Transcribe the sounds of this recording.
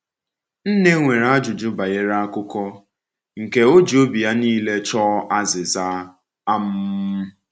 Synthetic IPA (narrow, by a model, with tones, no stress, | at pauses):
n̩˦ne˦ŋʷe˨ɾa˦d͡ʒʊ˨d͡ʒʊ˦ba˨je˦ɾa˦a˦kʊ˦kɔ˦ | ŋ̩˨ke˦o˦d͡ʒi˨o˦bi˨ja˦niː˦le˦t͡ʃɔ˦ʔa˦zɪ˨za˦ | a˦m̩˦m̩˦